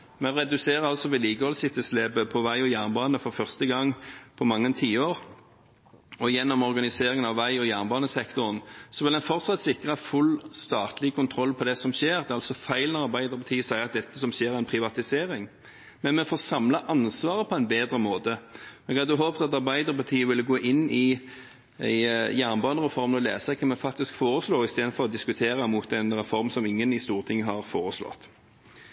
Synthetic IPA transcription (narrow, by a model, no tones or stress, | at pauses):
mɛɾɛd̪ʉseːɾəɾɑlsɔʋɛliːkəhɔlsɪt̪ːəsleːbəpʰɔʋæɪɔjæʁnbɑːnəfɔʁfœʁst̪əɡɑŋpʰɔmɑŋːənt̪ʰiːəoːɾ | ɔjɛnːɔmɔʁɡɑnɪseːɾɪŋənɑʋʋæɪɔjæʁnbɑːnəsɛkt̪ʊɾənsɔʋɪlɛnfɔɾt̪sɑt̪sɪkːʁɑfʉlst̪ɑːt̪lɪkʊnt̪ʰɾɔlːpʰɔd̪ɛsɔmʃeːɾd̪ɛɑlsɔfæɪlnɑɾbæɪd̪əʁbɑt̪ʰiːsæɪɑt̪̚d̪ɛt̪ːəsɔmɕeːɾæɪnpʰɾɪʋɑt̪ɪseːɾɪŋ | mɛnmɛfoːsɑmlɑʔɑnsʋɑːɾəpʰɔæɪnbeːd̪ɾəmoːt̪əɔɛɡhɑd̪əɦoːpt̪ɑt̪ɑʁbæɪd̪əɾpɑt̪ʰiːəʋɪlɡoːʔɪnːɪ | æɪjæːʁnbɑːnəʁɛfɔɾmnɔlḛːsɑkʰənmɛfɑk̚t̪ɪskfoːɾəsloːɾɪst̪eːd̪nfɔʁɔd̪ɪskʉt̪ʰeːɾɑmuːt̪ɛnɾɛfɔɾmsɔmɪŋːənɪst̪uːʁt̪ʰɪŋːəɦɑʁfoːɾəslɔ̰t̪